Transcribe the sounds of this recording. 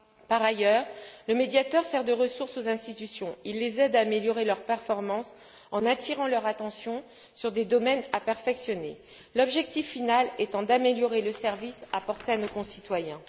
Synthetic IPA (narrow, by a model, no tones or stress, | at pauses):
paʁajœːʁləmed̪jat̪œʁsɛʁd̪əʁəsuʁsozɛ̃st̪it̪ysjɔ̃ilːezɛd̪ameljɔʁelœʁpɛʁfɔʁmɑ̃s | ɑ̃nat̪iʁɑ̃lœʁat̪ɑ̃sjɔ̃ | syʁd̪ed̪ɔmɛnapɛʁfɛksjɔnḛ | lɔbʒɛk̚t̪ifːinalet̪ɑ̃d̪ameljɔʁeləsɛʁvisapɔʁt̪eanokɔ̃sit̪wajɛ̃